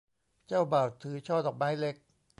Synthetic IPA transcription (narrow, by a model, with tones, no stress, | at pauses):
t͡ɕaː˥˩wbaː˨˩t̪ʰːɯː˨˦t͡ɕʰɔː˥˩t̪ɔː˨˩k̚maː˦˥jle˦˥k̚